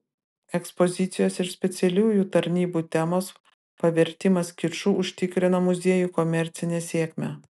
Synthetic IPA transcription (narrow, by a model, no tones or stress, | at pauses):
ɛkspozʲɪt̪sʲɪjoːsɪɾsʲpʲɛt̪sʲɛlʲuːjuːt̪ɐɾʲnʲiːbuːt̪ʲɛmoːs | pɐʋʲɛɾʲt̪ʲɪmɐskʲɪɾʃuːʔʊʃʲt̪ʲɪkɾʲɪnɐmʊzʲeɛjuːkɔmʲɛɾʲt̪sʲɪnʲeːsʲiɛkʲmʲɛ